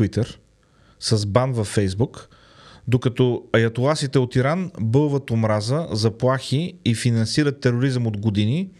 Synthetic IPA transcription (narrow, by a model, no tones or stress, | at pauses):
it̪əɾ | səzbanvɐfːɛjzbuk | d̪okɐt̪ɔɐjɐt̪olˠasit̪ɛot̪iɾanbɤlˠvət̪omɾazəzɐplˠaxiːfinɐnsiɾət̪ːɛɾoɾizəmod̪ɡod̪ini